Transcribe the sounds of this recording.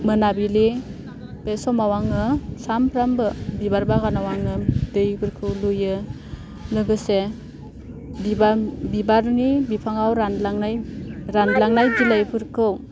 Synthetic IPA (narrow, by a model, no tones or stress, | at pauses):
mɯnabili | pesɔmawaŋɯsampʰɾambɯbibaɾbaɡanawaŋɯdejpʰɯɾkʰɯwlujɯ | lɯɡɯse | biabibaɾnibipʰaŋawɾanlaŋajɾanlaŋnajd͡ʒilajpʰɯɾkʰɯw